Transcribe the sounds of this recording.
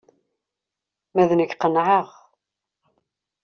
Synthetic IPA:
mæðnəçqənʕəʁ

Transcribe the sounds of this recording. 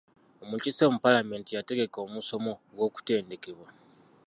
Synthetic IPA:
omucisemupalame̞ːntijate̞ɡe̞ko̞ːmuso̞mo̞ɡwo̞ːku̥te̞ːnde̞ke̞βwa

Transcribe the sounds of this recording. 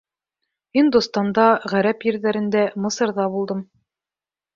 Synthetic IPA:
ind̪ust̪ɑnd̪ɑʁæɾæpjɘ̆ɾðæɾɘ̆nd̪æmɤ̆sɤ̆ɾðɑbulˠd̪ɤm

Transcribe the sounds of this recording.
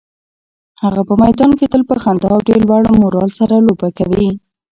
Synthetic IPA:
haɣapəmajd̪ɑnket̪əlpəxand̪ɑawɖelwaɽmʊɾɑlsaɾalobakawi

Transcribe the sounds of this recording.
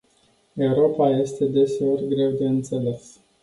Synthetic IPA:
e̞uɾo̞paje̞st̪e̞d̪e̞se̞o̞rʲɡɾe̞wd̪e̞ɨnt̪se̞le̞s

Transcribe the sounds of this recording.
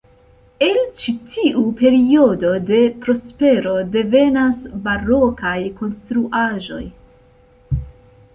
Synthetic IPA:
e̞lt͡ʃitʰiʔupe̞ɾio̞do̞de̞pɾo̞spe̞ɾo̞de̞ve̞nasbaɾo̞kajko̞nst̪ɾuʔaʒo̞̰j

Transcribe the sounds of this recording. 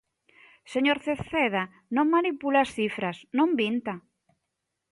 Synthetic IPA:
seɲoɾθeθeð̞a | nõŋmanipulaːsθifɾasnõmbint̪a

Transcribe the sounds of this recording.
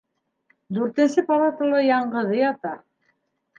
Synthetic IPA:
d̪ʉɾt̪æsɘpɑɾˠɑt̪ɤ̆lˠɑjɑɴɢɤ̆ðɤjɑt̪ɑ

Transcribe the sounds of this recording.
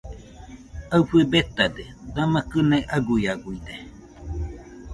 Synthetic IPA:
afɨebet̪ad̪ed̪amãkɨnẽʔaɡujaɡuid̪e

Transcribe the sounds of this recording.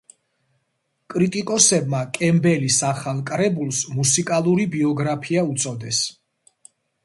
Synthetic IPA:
kʼɾit̪ʼikʼɔsɛbmakʼɛmbɛlisaχalˠkʼɾɛbulˠsmusikʼalˠuɾibiɔɡɾapʰiaut̪sʼɔd̪ɛs

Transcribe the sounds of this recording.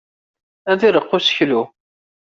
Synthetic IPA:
æðiɾəqːʊsə̥çlu

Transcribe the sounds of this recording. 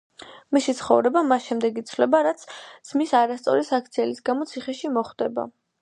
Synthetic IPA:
misit̪sʰχɔ̰vɾɛbamasʃɛmd̪ɛɡit̪sʰvlɛbaɾat̪sʰz̥misaɾast̪sʼɔ̰ɾisak̚ʰt̪sʰiɛlisɡamɔt̪sʰiχɛʃimɔχd̪ɛba̰

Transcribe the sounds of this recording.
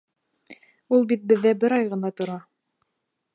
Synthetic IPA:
ulˠbit̪̚bɘ̆ðːæbɘɾɑjʁɤ̆nɑt̪ŏɾɑ

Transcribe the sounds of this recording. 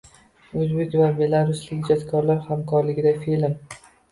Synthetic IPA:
ɵzbekʲvabe̞laɾʊslɪkʲd͡ʒɒt̪kʰɒɾlaɾhamkʰɒɾlɪɡʲɪd̪afilm

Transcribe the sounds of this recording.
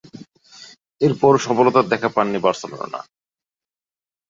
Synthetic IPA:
eɾpɔɾʃɔbolot̪ad̪ɛkʰapanːibaɾsolo̰o̰na̰

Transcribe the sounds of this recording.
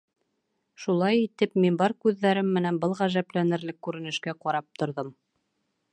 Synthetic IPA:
ʃulˠɑjit̪ɘpminbɑɾkʉðːæɾɘmːɘ̆nænbɤlˠʁæʒæplænɘ̆ɾlɘkːʉɾɘ̆nɘ̆ʃkæqɑɾɑp̚t̪ŏɾðɤm

